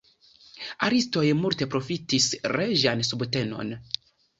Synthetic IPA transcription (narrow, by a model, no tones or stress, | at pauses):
aɾisto̞jmulte̞pɾo̞fitisɾeʒansubte̞no̞̰n